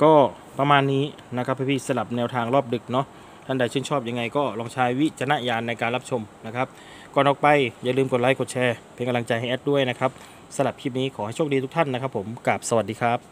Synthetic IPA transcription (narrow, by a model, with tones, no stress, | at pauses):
kɔː˥˩ | pa˧maː˧nːiː˦˥ | na˦˥kʰa˧˥pʰːa˧˥˩pʰiː˧˥˩sa˧la˨˩p̚nɛː˧wt̪ʰaː˧ŋlɔː˥˩p̚dɯ˨˩k̚nɔ˦˥ | t̪ʰaː˥˩da˧˩jt͡ɕʰɯː˥˩nt͡ɕʰɔː˥˩p̚ja˧ŋa˧jkɔː˥˩lɔː˧ŋt͡ɕʰaː˦˧˥jwi˦˥t͡ɕʰa˧na˦˧˥ʔjaː˧nːa˧jkaː˧nla˦˥p̚t͡ɕʰo˧mna˦˥kʰa˦˥p̚ | kɔː˧˩nʔɔː˨˩k̚pa˧jja˧˨lɯː˧mko˨˩t̚aː˦˥jko˨˩t̚t͡ɕʰɛː˧pʰe˧ŋka˧mla˧ŋt͡ɕa˧jɦa˥˩jʔɛ˦˥t̚du˥˩əjna˦˥kʰa˦˥p̚ | sa˧la˨˩p̚kʰiː˧˥˩p̚niː˦˥kʰɔː˩˦ha˥˩jt͡ɕʰo˥˩k̚diː˧t̪u˥kt̪ʰa˥˨nːa˦˥kʰa˦˥pʰːo˩˦mka˨˩p̚sa˧wa˨˩diː˧kʰa˦˥˩p̚